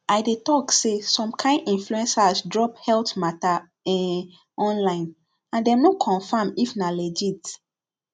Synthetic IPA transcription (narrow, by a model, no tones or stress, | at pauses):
aɪdetɔksesɔ̃mkʰãɪ̃ndĩnfluɛ̃nsasdɹɔphɛltmata | ɛ | ɔ̃nlãɪ̃n | ãndɛ̃mnokʰɔ̃nfãmifnalɛd͡ʒit